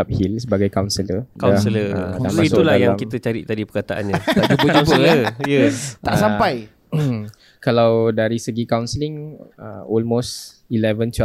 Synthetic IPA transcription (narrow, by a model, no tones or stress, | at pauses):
ap̚hilsəbaɡajkawnsələaasələədaait̪ulaahjaŋamkit̪ət͡ʃaɾḭʔt̪adipəkat̪aʔa̰nɲat̪ad͡ʒuəupəəjət̪aʔsampaj | kalawdaɾisəɡikawnsəlɪŋə̰ɔlmost | ilɛvəntu